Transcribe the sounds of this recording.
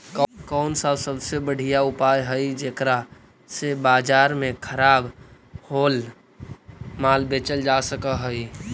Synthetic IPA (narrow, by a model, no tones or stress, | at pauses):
kkɔʊnsasəbsebəɽ̤ijaʊpaːjɦəid͡ʒeːkɾa | sebaːd͡ʒaːɾmẽkʰəɾaːb | hoːl | maːlbeːt͡ʃəld͡ʒasəkəɦəi